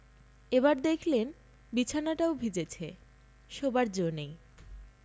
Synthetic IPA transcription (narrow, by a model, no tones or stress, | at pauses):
eβaɾd̪ekʰlen | bit͡ɕʰanaʈaobʱid͡ʑet͡ɕʰe | ʃobaɾd͡ʑonej